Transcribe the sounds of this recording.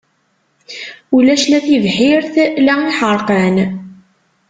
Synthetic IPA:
ulæʃlæθivħiɾθlæiħəɾˤqən

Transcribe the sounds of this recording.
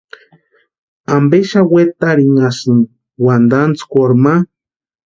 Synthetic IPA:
ambeʃawet̪aɾiŋasɨn | wand̪ant͡skʷoɾma

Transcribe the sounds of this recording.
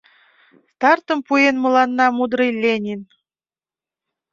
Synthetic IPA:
st̪ɑrt̪ə̆mpujenmɤ̆lˠɑnːɑmud̪ɾɤjlʲenʲin

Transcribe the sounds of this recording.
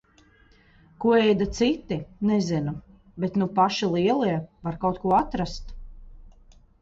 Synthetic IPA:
kuɔɛjd̪at̪sit̪ːinɛzinu | bet̪nupaʃilˠiɛlˠiɛvaɾkawt̪kuɔat̪ɾast̪

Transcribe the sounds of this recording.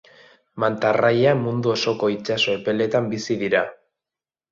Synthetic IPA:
mant̪arajamund̪uo̞so̞ko̞it͡ʃaso̞epe̞le̞t̪ambisiðiɾa

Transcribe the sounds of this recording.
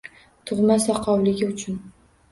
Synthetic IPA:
t̪ʰʊʁmasɒqʰɒwlɪɡʲɪʊt͡ʃʰʊn

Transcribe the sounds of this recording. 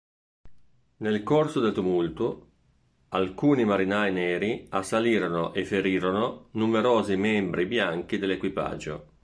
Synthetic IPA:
nelkorsod̪elt̪umult̪u | alkuːnimaɾinajnɛːɾiasːaliːɾonoʔefeɾiːɾononumeɾoːzimɛmbɾibjaŋk̟id̪elːekwipa̰d͡ʒːo̰

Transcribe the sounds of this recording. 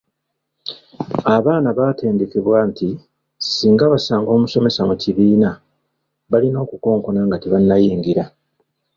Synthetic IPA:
aβaːnaβaːte̞ːnde̞ke̞βwaːntʰi | siːŋɡaβasaːŋɡo̞ːmuso̞me̞samuciβiːna | βalino̞ːkuko̞ːŋko̞naŋɡateβanːajiːŋɡiɾa

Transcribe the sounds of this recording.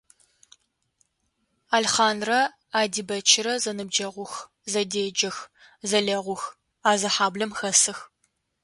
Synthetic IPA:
aːlχɑːnrɐ | aːdiːbɐt͡ʃʰɪɾɐzɐnɨb̚d͡ʒɐʁʷʊx | zɐdeːd͡ʒɐx | zɐɮɐʁʷʊx | aːzɐħaːblɐmxɐsɨx

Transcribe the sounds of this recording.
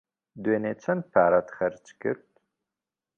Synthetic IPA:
d̪weːneːt͡ʃʰɐnpʰaːɾɐt̪χɐɾt͡ʃʰʼkɨ̰ɾt̪

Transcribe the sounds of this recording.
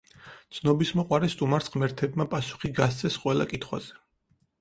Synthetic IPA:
t̪sʰnɔbismɔqʼwaɾɛst̪ʼumaɾsqʼmɛɾt̪ʰɛbmapʼasu̥χiɡast̪sʼʰɛsqʼwɛlˠa̰kʼit̪ʰχwa̰z̥ɛ

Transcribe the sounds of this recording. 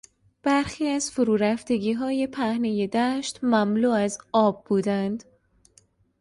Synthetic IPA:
b̥æɾxiːæzfoɾuːɾæft̪e̞ɡiːɦɒːje̞pʰæhne̞je̞d̪æʃt̪mæmluːæzɒːbːuːd̪ænd̪

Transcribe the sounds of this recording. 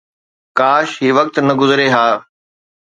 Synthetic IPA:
kaːʃɦiːʋɐk̚t̪nɐɡʊzɾeɦaː

